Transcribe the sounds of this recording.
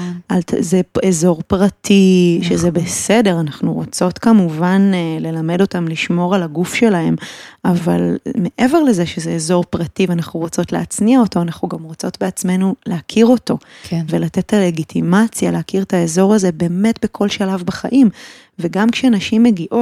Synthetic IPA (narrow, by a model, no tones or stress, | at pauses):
alzeezo̞ʁpʁatʰiʃezebese̞de̞ʁanaχnuʁot͡so̞tkamuvanle̞lame̞do̞tamliʃmo̞ʁalaɡufʃe̞lahe̞mava̰lmeʔe̞ve̞ʁle̞zeʃezeːzo̞ʁpʁativeanaχnuʁot͡so̞tleat͡sniaoto̞anaχnuɡamʁo̞t͡so̞tbeat͡sme̞nuleakʰiʁo̞to̞ve̞late̞t̪ʰːale̞ɡitʰimat͡sjaleakiʁtaezo̞ʁaze̞be̞ːme̞tbe̞kʰo̞lʃalavbaχaʔim | veɡamkʃeanaʃimːeɡiʔo